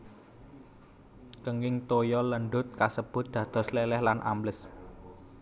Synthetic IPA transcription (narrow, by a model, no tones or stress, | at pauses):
kəŋɪŋt̪ojɔləɳɖʊt̪̚kasəb̥ʊ̤t̪̚d̪̥ä̤d̪̥ɔ̤slelɛhlanʔa̰mləs